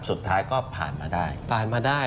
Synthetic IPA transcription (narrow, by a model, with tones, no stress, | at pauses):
su˨˩t̪ʰːaː˦˥jkɔː˥˩pʰa̰ː˨˩nmaː˧daː˥˩jpʰaː˨˩nmaː˧daː˥˩j